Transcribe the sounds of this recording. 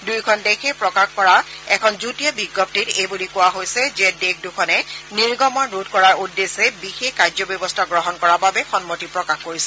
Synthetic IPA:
dujkʰɔndexʰɛpɹɔkaxkɔɹa | ɛkʰɔnzutijɔbiɡːɔp̚titejbulikʊwaɦojsɛzɛdekdukʰɔnɛniɹɡɔmɔɹnudkɔɹaɹudːesɛbixexkajzɔbjɔbɔstʰaɡɹɔɦɔnkɔɹababɛxɔnmotipɹɔkaxkoɹisɛ

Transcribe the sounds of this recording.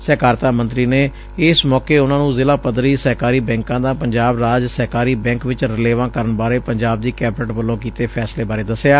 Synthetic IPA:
sɛːkaːɾt̪aːmənt̪ɾiːneː | ɪsmɔːkeːʊnãːnũːzɪlaːpəd̪ɾiːsəɦkaːɾiːbɛ̃ːŋkãːd̪ãːpəɲd͡ʒaːbɾaːd͡ʒsəkaːɾiːbɛ̃ːŋkʋɪt͡ʃɾɪleːʋãːkəɾənbaːɾeːpəɲd͡ʒaːb̚d̪iːkɛːbɪnəʈʋəlːõːk̬iːt̪eːpʰɛːsleːbaːɾeːd̪əsejaː

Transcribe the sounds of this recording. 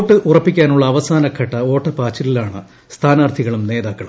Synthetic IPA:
oʈːɨʔurɐpːikʲːaːnuɭːɐːʋɐsaːnɐkʰɐʈːɐo̞ːʈːɐpaːt͡ɕːililaːɳɨ | st̪ʰaːnaːrt̪ʰiɣɐɭumne̞ːd̪aːkːɐɭum

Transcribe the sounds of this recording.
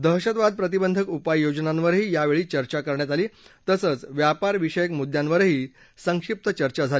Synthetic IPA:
d̪əɦɕət̪ʋad̪̚pɾət̪̬ibənd̪ʱəkupajːod͡ʑnãnʋəɾɦiːjaʋeɭiːt͡ɕəɾt͡ɕakəɾɳjat̪aliːt̪əsət͡sʋjapaɾʋiɕəjəkmud̪janʋəɾɦiː | səŋkʂip̚t̪ət͡ɕəɾt͡ɕad͡zʱali

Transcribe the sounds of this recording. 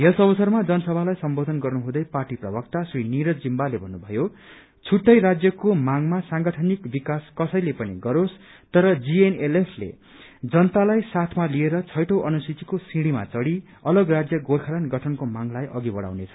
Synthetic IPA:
ɦesʌbʌsʌrmad͡zʌnʌsʌbʱalajsʌmbod̪ʱʌnɡʌrnuɦũd̪ʌjparʈiprʌbʌkt̪asriniɾʌd͡zimbalebʱʌnːubʱʌjo | t͡sʰuʈːʌjɾad͡zjʌkomaŋmasãŋɡʌʈʰʌnikbikaskʌsʌjlepʌniɡʌɾos | t̪ʌɾʌd͡zienelepʰlḛ | d͡zʌnʌt̪alajsat̪ʰmalieɾʌt͡sʰʌjʈʌwʔʌnusitikosĩɽima̰t͡sʌɽi | ʌlʌɡrad͡zjʌɡorkʰalanɡʌʈʰʌnkomaŋlajʔʌɡibʌɽa̰wnet͡sʰʌ̥

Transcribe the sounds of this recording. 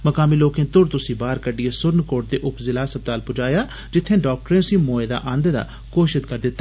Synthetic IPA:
məkaːmiːloːkẽːt̪ʊɽt̪ʊsĩːbaːɾkəɖɪeːsʊɾnkoːʈ̚d̪eːʔʊpzɪlaːsəb̚t̪aːlpʊd͡ʒaːjaː | d͡ʒɪt̪ʰːẽːɖɔːk̚ʈəɾẽːʊsĩːmoːeːd̪a̰ːʔə̃nd̪d̪a̰ː | koːʃɪd̪kəɾd̪ɪt̪ːaː

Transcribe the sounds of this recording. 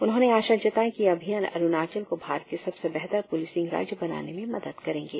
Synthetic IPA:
ʊnɦõːneaːʃad͡ʒɐt̪aːẽkiɐbʱijanɐ̰ɾʊnaːt͡ʃəlkobʱaːɾt̪̚kesɐbsebɛɦt̪əɾpʊlɪːsɪ̃ŋɡɾa̰ːd͡ʒjbɐna̰ːnemẽmɐd̪əd̪kɐɾẽːŋɡeː

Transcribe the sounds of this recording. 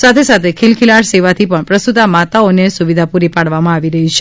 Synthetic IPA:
sat̪ʰesat̪ʰekʰilkʰilaɽseʋat̪ʰipəɳpɾəst̪ut̪amat̪aonesuʋid̪ʱapuɾipaɽʋamãaʋiɾəɦit͡ʃʰe

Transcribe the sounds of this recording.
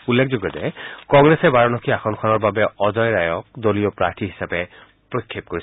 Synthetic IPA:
ulːekʰzoɡjɔtɛ̰kɔŋɡɹesɛbaɹɔnɔkʰiaxʰɔnkʰɔnɔɹbabɛɔzɔjɹajɔk̚dolijɔpɹaɹtʰiɦi̥sapɛ | pɹokʰːep̚koɹis

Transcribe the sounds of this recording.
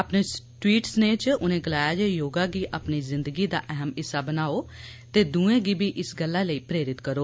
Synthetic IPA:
əpneːʈwiːʈsneːt͡ʃʊnẽːɡəlaːjaːd͡ʒɛːjoːɡaːɡiːʔəpniːzɪnd̪əɡiːd̪a̰ːʔɛɦəmɪsːaːbənaːoːt̪eːd̪ũːẽːɡiːbʱiːʔɪsɡəlːaːləiːpɾeːɾɪt̪kəɾoː

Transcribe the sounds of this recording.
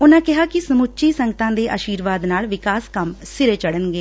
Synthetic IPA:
ʊnãːkɪɦaːkɪsəmʊt͡ʃʃiːsə̃ŋɡət̪ãːd̪eːʔaːʃiːɾʋaːd̪naːlʋɪkaːskəmsɪɾeːt͡ʃəɽənɡeː

